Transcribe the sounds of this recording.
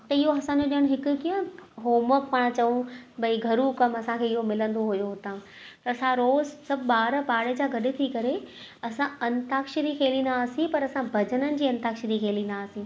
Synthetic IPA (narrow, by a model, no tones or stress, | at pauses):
t̪ɐɪɦoɐsãɲd͡ʑoɗijəɽ̃ɦɪkʊ̆kiə̃ɦoːməppaɽ̃t͡ɕɐʋũbɐiɡʱɐɾũkɐmɐsãkʰeːɪɦomɪlə̃nd̪oɦʊjoɦʊt̪ãː | t̪ɐsãɾoːzsɐbʱɓaːɾpaːɽed͡ʑaːɡʱɐɗɪt̪ʰikɐɾe | ɐsãɐnt̪aːkʃɪɾikʰeːlĩːnd̪aːsĩpɐɾɐsãbʱɐd͡ʑənənɪ̆d͡ʑiːɐ̃nt̪aːkʃɾikʰeːlĩnd̪aːsĩ